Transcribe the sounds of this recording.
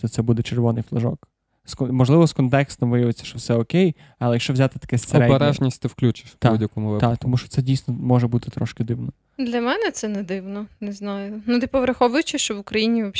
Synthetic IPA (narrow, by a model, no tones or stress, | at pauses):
ɔt̪sɛbud̪ɛt͡ʃerʋɔnɪjflˠɐʒɔ̰k | skɔmɔʒlˠɪʋɔskɔnt̪ɛkst̪ɔmʋɪjɐʋɪt͡sʲːɐ̥ʃt͡ʃɔwsɛɔkʲej | ɐlˠɛjɐkʃt͡ʃɔʋzʲat̪ɪt̪ɐ̥kɛseɔɾɛdbeɾɛʒnʲisʲtʲt̪ɪwklʲut͡ʃɪ̥ʃt̪audʲɐkɔmʊʋɪt̪at̪ɔmuʃt͡ʃɔ̥tsɛdʲijsnɔmɔʒɛbut̪ɪ̥t̪ɾɔʃkɪd̪ɪwnɔ | d̪lʲɐmɛnɛt̪sɛnɛd̪ɪwnɔneznɑjʊnut̪ɪpɔʋɾɐxɔʋʊjʊt͡ʃɪʃt͡ʃɔʋʊkɾɐjinʲiʋɐ